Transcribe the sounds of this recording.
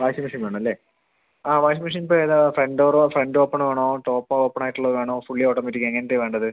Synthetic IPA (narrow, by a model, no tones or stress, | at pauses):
ʋaːɕɐmiʂɐnʋeːɳɐmɐlːe̞ː | aːʋaːjɕ̬ɐmiʂ̬ɐnip̬ːoːeðafreɳɖoːrofreɳɖoːpːɐɳʋeːɳoːʈoːpːɐoːpːɐɳaːjiʈːuɭːɐðɨʋeːɳoːfuɭːijoːʈːoːmetʲːikːeŋːɐnet̪ːeʋe̞ːɳɖɐðɨ